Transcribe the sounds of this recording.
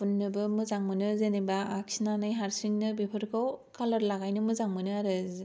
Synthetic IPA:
punːɯbɯmɯzaŋmɯnɯzenebaːksinanajɦaɾsiŋnɯbepʰɯɾkʰawkʰalɯɾlaɡajnɯmɯzaŋmɯnɯaɾɯz

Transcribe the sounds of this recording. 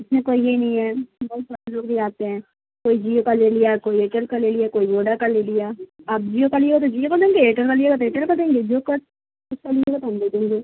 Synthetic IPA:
ɪsmẽkoːijenɐɦĩɦɛːbɔɦːt̪saːɾeloːɡbʱiaːt̪eɦɛ̃ː | koːid͡ʒiːokalelijakoːieːʈəlkaleliakoːiʋoːɖakalelijaːap̚d͡ʒiːjokalieɡat̪od͡ʒiːjokɐd̪ẽːŋɡeeːʈəlkalieɡat̪oeːʈəlkɐd̪ẽːŋɡed͡ʒokɐ | ʊskalieɡat̪oɦɐmd̪eːd̪ẽːŋɡeː

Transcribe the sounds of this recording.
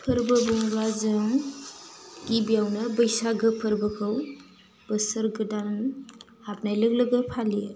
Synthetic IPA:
pʰəɾbəbɔŋɾazaŋ | ɡibijawnɯbəjsaɡɯpʰəɾbɯkʰɯw | b̥əsəɾɡɯdan | ap̚najlɯɡlɯɡɯpʰalie

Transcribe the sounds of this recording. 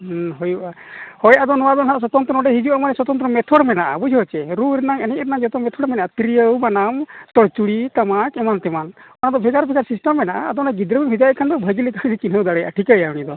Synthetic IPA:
ɦujuʔa | hɔjʔad̪ɔnɔwad̪ɔnɦanaʔsɔt̪ɔnt̪ɾɔnɔɖɛɦid͡ʒuamanɛsɔt̪ɔnt̪̬ɾɔɔmɛt̪ʰɔɽmɛnaʔa̰bud͡ʒʱɔt͡ʃɛɾuɾɛnaŋɛnɛʔɾɛnaŋd͡ʒɔt̪ɔmɛt̪ʰɔɽmɛnaʔat̪ɾijəwbanamt̪ɔɽt͡ʃuɽit̪amakɛmant̪ɛman | anad̪ɔbʱɛɡaɾbʰʱɛkʰaɾsisʈamːɛnaʔa̰ːd̪ɔnaɡid̪ɾəbibʱid͡ʒajkʰand̪ɔbʱəɡilikad͡ʒit͡ʃinɦəwd̪aɽɛjʔa̰ʈʰikəjaunid̪ɔ

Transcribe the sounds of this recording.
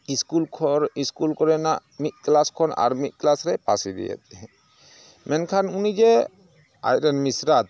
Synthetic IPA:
iskulʰɾiskulkɔɾɛnaʔmit̪̚ˀklaskʰɔna̰ɾmit̪̚klasɾɛpasid̪ɛ̰jɛ̰t̪̚ɛɛ̃ | mɛnkʰanunid͡ʒɛ | a̰jɾɛnmisɾat̪̚

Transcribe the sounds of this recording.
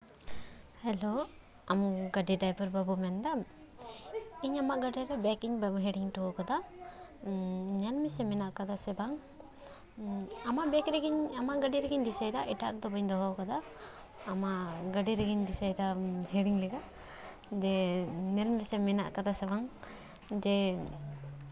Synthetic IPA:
hɛlo | amɡɐɖiɖajpɔɾbabumɛnd̪a | iɲamaʔɡɐɖiɾɛbɛkiɲbɦeɽiŋʈuɔkad̪a | nɛlmisɛminaʔkad̪asɛbaŋ | amaʔbɛkɾɛɡiɲamaʔɡɐɖiɾɛɡiɲd̪isajd̪aʔiʈaɾd̪ɔbaɲd̪ɔɦɔkad̪aː | maʔɡɐɖiɾɛɡiɲd̪isajd̪aɦɛɽiŋlɛɡa | d͡ʒɛnɛlmisɛmina̰ʔkad̪asɛbaŋ | d͡ʒɛ

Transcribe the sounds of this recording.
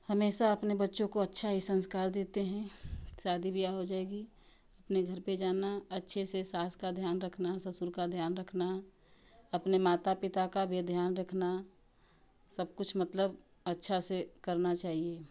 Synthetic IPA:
həmeːsaɐpnebətːʃõkoɐtːʃʰaɦisə̃nskaːɾd̪eːt̪eɦɛ̃ʃaːd̪ibijaɦod͡ʒaːeɡi | əpneɡʱəɾped͡ʒaːnaɐtːʃʰesesaːskad̪ʱjaːnɾəkʰnasɐsʊɾkad̪ʱjaːnɾəkʰna | ɐpnemaːt̪apɪt̪akabʱed̪ʱjaːnɾəkʰna | səb̚kʊt͡ʃʰmət̪ləb | ətːʃʰasekəɾnat͡ʃaːɦie

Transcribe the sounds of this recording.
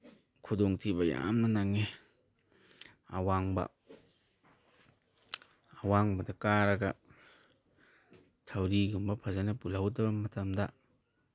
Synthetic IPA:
kʰudoŋtʰibɐja̰mnɐnaŋe | a̰waŋbɐ̰ | waŋbɐdɐkaɾɐɡɐ̰ | tʰawɾiɡumbɐpʰazanɐpulawdɐbɐmɐtɐmdɐ

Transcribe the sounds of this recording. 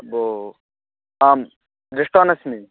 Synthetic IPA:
bo | aːm | ɾɪʂʈoːnɐsmi

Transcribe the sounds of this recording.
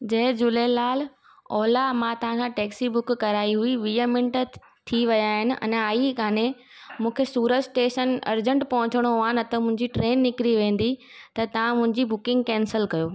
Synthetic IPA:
d͡ʑɐɦd͡ʑʊlelaːl | ɔːlamãt̪ɐʋ̤ãkʰãʈɛːksibʊkːɐɾaːiɦuiʋiːəmɪ̃ɳʈ | t̪ʰiʋɐjaɦɪnɪ̆ʔɐ̰naːikʰaːne | mũːkʰesuːɾəd͡ʑsʈeːʃənɐ̰ɾd͡ʑə̃ɳʈpɐɦʊ̃t͡ɕɪɽ̃oaːɪnɪt̪əmʊ̃ɦɪ̃ɲd͡ʑiʈɾeːnːɪkɾiʋẽːn̆d̪i | t̪ɐt̪ɐʋ̤ãmʊ̃ɦɪ̃ɲd͡ʑibʊkɪ̃ŋɡkɛ̃ːnsəlkɐjoː

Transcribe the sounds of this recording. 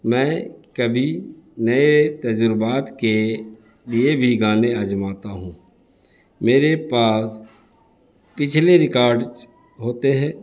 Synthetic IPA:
mɛ̃ːkəbʱinɐet̪ɐd͡ʒʊɾbaːt̪ke | liebʱiɡaːneɐd͡ʒmaːt̪aɦũː | meːɾepaːs | pɪt͡ʃʰleɾɪkaːɾɖ | ɦoːt̪eɦɛ̃ː

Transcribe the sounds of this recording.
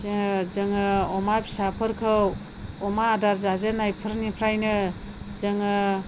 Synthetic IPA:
zɯŋɯɔmabi̥sapʰɯɾkʰɯw | ɔmaːdaɾzazenajpʰɯɾnipʰɾajnɯ | zɯŋɯ

